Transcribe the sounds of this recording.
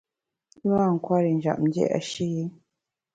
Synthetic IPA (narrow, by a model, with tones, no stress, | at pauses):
a˦˨ŋ˨kwa˦ɾe˨n˨ʒa̰˨mɟḛ˦a̰˨ʃi˦je˦